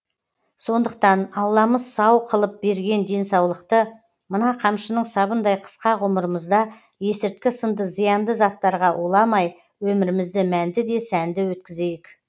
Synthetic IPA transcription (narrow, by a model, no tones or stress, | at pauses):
so̞nd̪əq̚t̪ɑnɑwlˠɑməzsɑwqʰəlˠəp̚be̞ɾɡʲe̞nd̪e̞nsɑwlˠəqt̪ə | mənɑqʰɑmʃənəɴsɑβənd̪ɑjqʰə̥sqɑʁʊməɾəməzd̪ɑ | je̞sɪɾt̪̚kʲɪsənd̪əzijɑnd̪əzɑt̪ːɑɾʁɑʔulˠɑmɑj | wɵmɪɾɪmɪzd̪ɪmænd̪ɪd̪e̞sænd̪ɪwɵt̪̚kʲɪze̞jɪk